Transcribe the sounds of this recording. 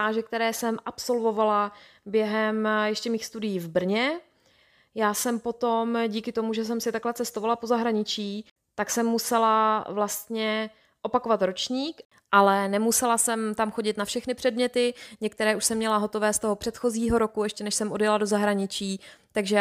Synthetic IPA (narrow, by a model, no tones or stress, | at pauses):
aːʒɛk̚t̪ɛɾɛːsɛmʔapso̞lvo̞valabjɛɦɛmjɛʃcɛmiːxst̪udɪjiːvbr̩ɲɛ | jaːsɛmpo̞t̪o̞mɟiːkɪt̪o̞muʒɛs̬ɛmsɪt̪aklɛt͡sɛst̪ovalapo̞zaɦɾaɲɪt͡ʃiː | t̪aksɛmːusɛlavlast̪ɲɛ | ʔopakovat̪ɾo̞t͡ʃɲiːk | ʔalɛnɛmusɛlasɛmt̪amxo̞ɟɪt̪nafʃɛxnɪpr̥ɛdmɲɛt̪ɪɲɛkt̪ɛɾɛːuʃsɛmːɲɛlaɦo̞t̪o̞vɛːst̪oɦo̞pr̥ɛt̪xo̞ziːɦo̞ɾo̞kuɛʃcɛnɛʃsɛmʔo̞djɛlado̞zaɦɾaɲɪt͡ʃiːt̪aɡʒɛ